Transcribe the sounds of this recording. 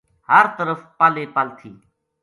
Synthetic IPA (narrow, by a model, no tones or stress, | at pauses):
həɾt̪əɾəfpaːleːpaːlt̪ʰḭː